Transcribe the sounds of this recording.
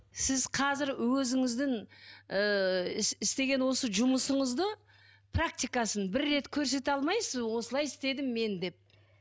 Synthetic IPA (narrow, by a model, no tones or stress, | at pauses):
sɪzqʰɑzɪɾwɵzɪŋɪzd̪ɪŋəɪɪst̪e̞ɡʲe̞nwo̞səʒʊməsəɴəzd̪ə | pʰrak̚t̪ijkɑsənbɪɾːe̞t̪kʲʰɵɾs̬e̞t̪ɑlˠmɑjsəzwo̞səlˠɑjɪst̪e̞d̪ɪmːe̞nd̪e̞p̚